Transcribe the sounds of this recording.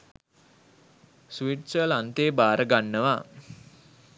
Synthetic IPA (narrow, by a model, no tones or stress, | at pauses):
sʋiʈsəlant̪eːbaːɾəɡanːəʋaː